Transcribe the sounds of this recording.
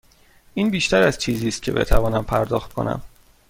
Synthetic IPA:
ʔiːnbiːʃt̪æɾæzt͡ʃʰiːziːst̪̚cʰe̞̰bet̪ʰævɒːnæmpʰæɾd̪ɒːxt̪̚kʰo̞̰næ̰m

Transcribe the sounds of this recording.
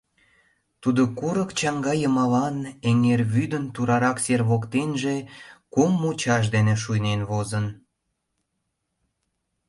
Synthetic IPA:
t̪ud̪okuɾəkt͡ɕɑŋɡɑjəmɑlɑneŋerβyd̪ənt̪uɾɑɾɑkserβokt̪enʒekumːut͡ɕɑʃ̬d̪eneʃ̬ujnenβozən

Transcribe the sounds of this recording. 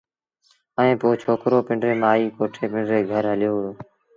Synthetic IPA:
əẽːpoːt͡ʃʰoːkɾoːpɪ̃ɳɖɾeːmaːiːkoːʈʰeːpɪ̃ɳɖɾeːɡʱəɾɦəlɪjoːɽoː

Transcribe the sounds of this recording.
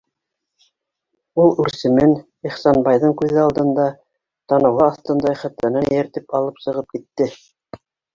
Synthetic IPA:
ulˠʉɾsɘ̆mɘn | iχsɑnbɑjðɤɴkʉðɘɑlˠd̪ɤ̆nd̪ɑ | t̪ɑnɤ̆wʁɑːθt̪ɤnd̪ɑjχæt̪lænænjæɾt̪ipɑlˠɤpsɤ̆ʁɤp̚kit̪ːɘ

